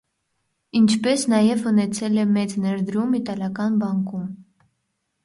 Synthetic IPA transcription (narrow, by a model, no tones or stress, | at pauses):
int͡ʃʰpɛsnɑjɛvunɛt͡sʰɛlɛmɛt͡snɛɾd̪ɾumit̪ɑljɑkɑnbɑŋkum